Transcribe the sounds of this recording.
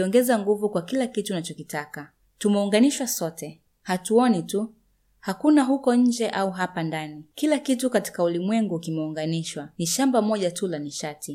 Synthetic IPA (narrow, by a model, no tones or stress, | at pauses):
ɔŋɡɛzaŋɡuvukwakilakituːnat͡ʃɔkitaka | tumɛuŋɡaniʃwasɔtɛ | hatuɔnitu | hakunaɦukɔɲ̩d͡ʒɛʔauɦapandanikilakitukati̥kaulimwɛŋɡukimɛuŋɡaniʃwaniʃambamɔʄatulaniʃatʰi